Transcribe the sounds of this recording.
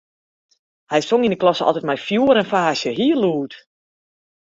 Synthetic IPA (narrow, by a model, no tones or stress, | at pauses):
hɛjsoŋindəklɔsəɔ̰lˠtɛt̚mɛjfjuːəɾənfaːsjəɦiəluːt